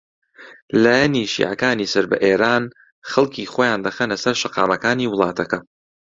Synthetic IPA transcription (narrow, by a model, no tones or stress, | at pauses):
laːjɛniːʃḭːʕa̰kaːniːsɐɾbɐ̰ʔeːɾaːn | xɐlˠkʰiːxoːjaːnd̪ɐxenlɐsɐɾʃɐqɑːmɐkaːniːwʊlˠɑːt̪ʰɐkɐ